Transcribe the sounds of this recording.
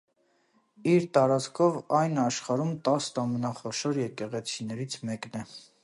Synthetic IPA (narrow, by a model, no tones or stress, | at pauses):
iɾt̪ɑɾɑt͡skʰɔvɑjnɑʃχɑɾumt̪ɑst̪ɑmənɑχɔʃɔɾjɛkɛʁɛt͡sʰinɛɾit͡sʰmɛknɛ